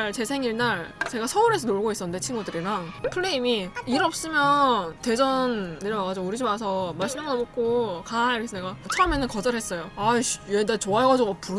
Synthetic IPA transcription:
ɭt͡ɕe̞sʰe̞ŋiɭnaɭt͡ɕe̞ɡasʰʌuɾe̞sʰʌnoɭɡois͈ʌnɯndet͡ɕʰinɡudɯɾiɾaŋ | pʰɯɭːeimiiɾʌp̚s͈ɯmjʌnte̞d͡ʑʌnːɯɾjʌmaɡad͡ʑiouɾid͡ʑimas̬ʰʌmaɭɕ͈ʰimamnʌmok̚k͈okaiɾʌkʰesʰʌneɡat͡ɕʰʌʌme̞nɯnkʌd͡ʑʌɾɦes͈ʌjoajedat͡ɕoaɦeɡad͡ʑiɡoapu

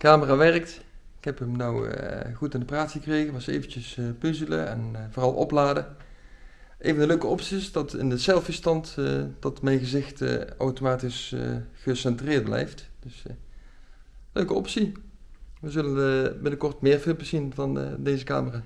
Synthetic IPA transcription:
kaːməraːʋɛɹək̚t | ɪkɦɛpəmnaw̰ɣutɪndəpraːtxəkrejɣəʋɑsḛjvəncəspɵzələ̰ɛ̰nvʊːrɑlˠʔɔ̰plaːdə | ʔḛjvəndəløɥkəɔpsiɪsdɑtɪ̰ndəsɛlˠfəstɑntd̥ɑtmɛjnɣəzɪxtawtomaːtisə̰χəsɛntrɪːrd̚blɛ̰jftd̥ɵs | løɥkəɔpsi | ʋəzɵlənbɪnəkɔɹtmɪːɹfɪpəsinvɑn̰dejzəka̰ːməraː

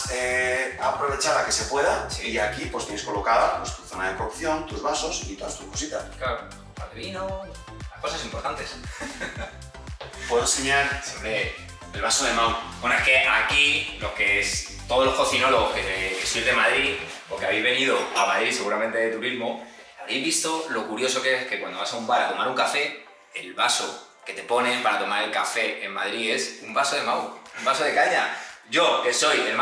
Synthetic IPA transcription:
eapɾo̞β̞e̞t͡ʃaɾake̞se̞pwe̞ðasiiakipwe̞st̪jenko̞lo̞kaðapwest̪uθo̞naðekokθjo̞nt̪uzβaso̞sit̪oast̪uko̥sit̪askaɾo | paeβino | lako̞sasimpo̞ɾt̪ant̪e̞s | pweðenseɲaɾse | elβasoðemãwbwenoeke̞ʔakilo̞kes | t̪oð̞o̞lo̞skoθino̞loɣokeesilðe̞maðɾi | okeaβejzβe̞niðoamaðɾise̞ɣuɾamẽnt̪e̞ðet̪uɾizmo | aβejzβist̪o̞lo̞kuɾjo̞so̞keskekwand̪oβasaumbaɾat̪o̞maɾuŋkafe̞ | elβaso | ke̞t̪e̞po̞nẽ̞paɾat̪o̞maɾe̞lkafe̞emmað̞ɾie̞sumbaso̞ðe̞mawumbaso̞ð̞e̞kaɲaʝo̞ke̞so̞jelm

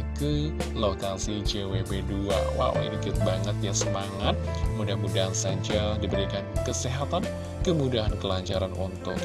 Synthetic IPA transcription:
kəlokasid͡ʒewebedua̰wa̰wa̰ḭnikibaŋət̪̚jasəmaŋat̪̚mudamudaɦansad͡ʒadibəɾikankəseɦat̪an | kəmudaɦankəlaɲt͡ʃaɾanʔɔ̰nt̪ʊ

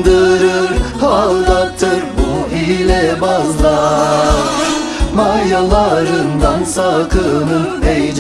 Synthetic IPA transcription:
d̪ɯɾɯɾhlˠd̪ɑt̪ʰːɯɾbuilʲɛbɑlˠːɑ | maɑjalˠɑɾɯnd̪ɑnsɑkʰɯnɯnejd͡ʒ

